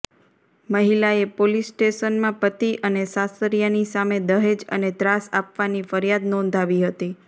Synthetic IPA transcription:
məɦilaepolisʈeʃənmãpət̪iʔənesasəɾjanisamed̪əɦed͡ʒə̰net̪ɾasa̰pʋanifəɾjad̪nɔ̃nd̪ʱaʋiɦət̪i

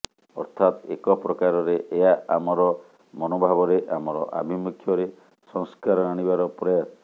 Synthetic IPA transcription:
ɔ̰ɾt̪ʰat̪ḛkɔpɾɔkaɾɔɾeʔeaʔamɔɾɔ | mɔnobʱabɔɾeʔamɔɾɔʔa̰bʱimukʰjɔɾe | sɔŋskaɾɔaɽ̃ibaɾɔpɾɔjat

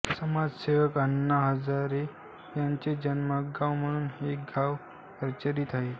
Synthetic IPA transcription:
səmad͡zseʋəkənːaɦəd͡zaɾe | jaɲt͡ɕed͡ʑənməɡawm̤əɽ̃uːnɦeɡʱaʋ | kəɾt͡ɕəɾiːt̪aɦe

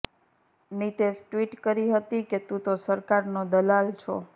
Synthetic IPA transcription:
nit̪esʈʋiʈkəɾiɦət̪iket̪ũt̪osəɾkaɾnod̪əlalt͡ʃʰo̰

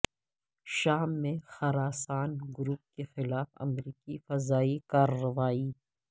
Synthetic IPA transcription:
ʃaːmːẽxɐɾaːsaːnɡʊɾuːp̚kexɪlaːfɐ̰mɾiːkifɐzaːikaːɾːɐʋaːiː

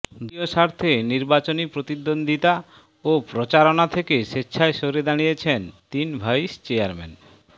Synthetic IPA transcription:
d̪ioʃaɾt̪ʰeniɾbat͡ɕonipɾot̪id̪ːond̪ʱit̪a | opɾot͡ɕaɾonat̪ʰekeʃetːɕʰaeʃoɾed̪añijet͡ɕʰent̪inbʱajʃt͡ɕeaɾmḛn

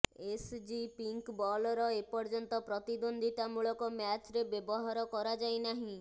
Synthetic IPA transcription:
esd͡ʒipiŋkbɔlɔɾɔepɔɾd͡ʒɔnt̪ɔpɾɔt̪id̪ond̪ʱiʈamuɭɔkɔmjat͡ʃɾebjebɔɦaɾɔkɔɾad͡ʒajnaɦĩ

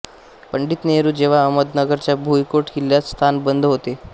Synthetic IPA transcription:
pəɳɖiːt̪neɾuːd͡ʑeʋ̤aəməd̪nəɡəɾt͡ɕjabʱuikoʈkiljast̪ʰanbənd̪ʱɦot̪e

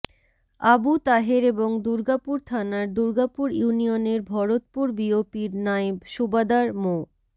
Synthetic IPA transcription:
abut̪aɦeɾeboŋd̪uɾɡapuɾt̪ʰanaɾd̪uɾɡapuɾjiunijoneɾbʱɔɾot̪̚puɾbiopiɾnaebʃubad̪aɾmo

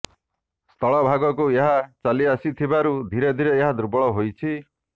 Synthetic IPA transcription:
st̪ʰɔɭɔbʱaɡɔkueɦat͡saliasit̪ʰibaɾud̪ʱiɾed̪ʱiɾeeɦad̪ɾubɔɭɔɦojt͡ʃʰi

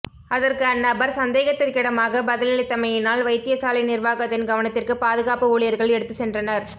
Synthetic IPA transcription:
ʔɐðɐrkɯɐnːɐbɐɾsɐnd̪eːɣɐt̪ːɪrkɪɽɐmaːɣɐbɐðɪlɪlɪt̪ːɐmɐjɪnaːlʋɐɪt̪ːɪjɐsaːlɐɪnɪrʋaːɣɐt̪ːɪnɡɐʋɐnɐt̪ːɪrkɯpaːðɯɣaːpɯuːɭɪjɐɾɣɐɭɛɽɯt̪ːɯsɛndrɐnɐɾ

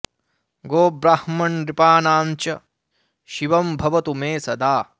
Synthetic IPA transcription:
ɡoːbɾaːhmɐnd̪ɾipaːnaːnt͡ʃɐ | ʃiʋɐmbʱɐʋɐt̪umeːsɐd̪aː

